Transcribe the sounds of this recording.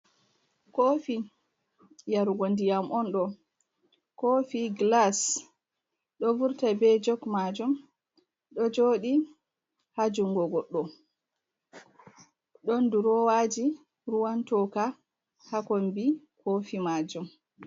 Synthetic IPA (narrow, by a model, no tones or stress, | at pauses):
kofi | jaɾuɡondijamʔɔnɗɔ | kofiɡlas | ɗɔvuɾtabɛd͡ʒɔkmad͡ʒum | ɗɔd͡ʒoɗi | had͡ʒuŋɡɔɡɔɗːɔ | ɗɔnduɾɔwaːd͡ʒi | ɾuwantɔka | hakombi | kʰofimaːd͡ʒum